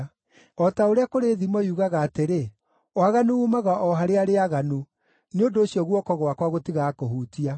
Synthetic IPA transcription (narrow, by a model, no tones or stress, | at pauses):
ɔtaoɾeakoɾeːðimɔjuːɣaɣaːteɾe | waɣanuumaɣaʔɔɦaɾeaɾeaɣanu | neondoːɕiɔɣwɔkɔɣwakwaɣotiɣakohuːtia